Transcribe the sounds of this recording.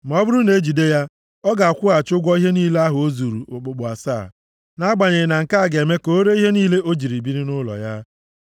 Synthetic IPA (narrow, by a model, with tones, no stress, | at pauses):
m˨ɔ˦bʊ˦ɾʊ˦ne˨˦d͡ʒi˨de˦ja˦ | ɔ˦ɡa˨a˨kʷʊ˦a˨t͡ʃʊ˦ɡʷɔ˦i˦ɦe˦niː˦le˦a˦ɦʊ˨o˦zu˨ɾu˨ʊ˨k͡pʊ˨k͡pʊ˨a˨sa˦˨ | na˦ɡ͡ba˨ɲe˨na˨ŋ̩˨ka˦a˦˨ɡe˨me˦ko˨o˦ɾe˦i˦ɦe˦niː˦le˦ʔo˦d͡ʒi˨ɾi˨bi˦ɾi˦nʊ˦lɔ̰˨ja˦